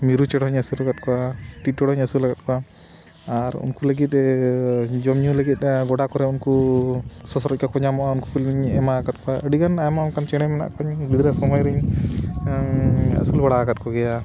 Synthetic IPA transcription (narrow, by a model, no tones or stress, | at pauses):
miɾut͡ʃɛɽɦɔɲəsuɾlaɡat̪̚kɔaʈit̪̚ːɔɽɦɔɲəsuɾlaɡat̪̚kɔwaː | ɾṵnkuləɡit̪̚ | d͡ʒɔmɲuləɡit̪̚ˀɡɔɽakɔɾɛunku | sɔsɔɾɔc̚ˀkakɔɲamɔʔaunkupulɲɛmakat̪̚kɔaʔəɖikanamaunkant͡ʃɛɽ̃ɛmɛna̰ʔkɔɲɡid̪ɾasɔmɔjɾəɲ | ə̰sulbaɽakat̪̚kɔɡɛja